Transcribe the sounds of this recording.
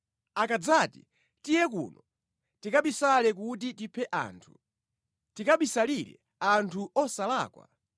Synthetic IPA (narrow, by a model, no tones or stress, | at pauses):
akad͡zaːti | tijɛkṵːnɔ | tikaɓisalɛk̬ut̬itipʰɛʔa̰ːntʰu̥ | tikaɓisaliɾɛ̰ | antʰuɔsala̰ːkwa̰